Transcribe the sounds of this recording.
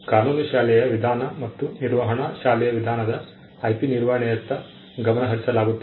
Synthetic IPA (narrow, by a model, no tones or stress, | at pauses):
kaːnuːnuʃaːlɛjɐʋid̪ʱaːnɐmɐt̪ːuniɾʋɐɦɐɳɐʃaːlɛjɐʋid̪ʱaːnɐd̪ɐː | jpiniɾʋɐɦɐɳɛjɐt̪ːɐ | ɡɐmɐnɐɦɐɾisɐlaːɡut̪ːe